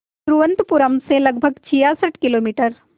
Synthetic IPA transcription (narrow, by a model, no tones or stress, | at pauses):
ɾuːʋə̃nt̪pʊɾəmsẽlɐɡ̚bʱəɡt͡ʃʰijasəʈʰkɪloːmiːʈəɾ